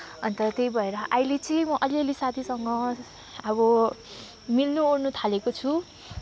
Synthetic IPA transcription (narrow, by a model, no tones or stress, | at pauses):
ʌnt̪ʌt̪ejbʱʌeɾʌʔajlet͡sʌ̃mʌʔʌlelisat̪ʰisʌŋɡʌ | abʌ | milnuornut̪ʰalekot͡sʰu